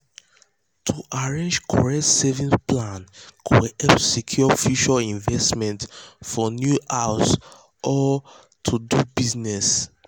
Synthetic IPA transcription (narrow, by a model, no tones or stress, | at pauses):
tʰuʔaɹẽnd͡ʒkʰɔ̰ɹɛtsɛvĩsplãnkʰuɛpsikʰjɔfuʃaĩnvɛstmɛ̃ntfɔnjuʔaʊs | ʔɔ | tʰudubiznɛs